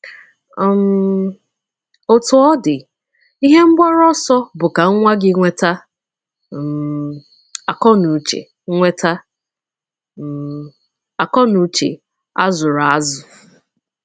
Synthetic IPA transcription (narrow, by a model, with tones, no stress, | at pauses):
m˨˦ | o˨tʊ˨ɔ˦dɪ˨ | i˦ɦe˦m̩˦ɡ͡bʷa˦ɾɔ˦sɔ˦bʊ˨ka˨ŋ̩˦ŋʷa˦ɡɪ˦ŋʷe˦ta˦˨ | a˨kɔ˦nu˨t͡ʃḛ˨˦ | ŋʷe˦tʰa˦˨ | a˨kɔ˦nu˨t͡ʃḛ˨ | a˦zʊ˨ɾa˨a˦zʊ˨